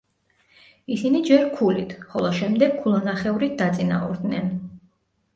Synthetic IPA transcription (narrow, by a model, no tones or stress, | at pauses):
isinid͡ʒɛɾkʰulit̪ʰχɔlˠɔʃɛmd̪ɛɡ̥̚kʰːulˠanaχɛuɾit̪̚d̪at̪sʼina̰ṵɾd̪nɛn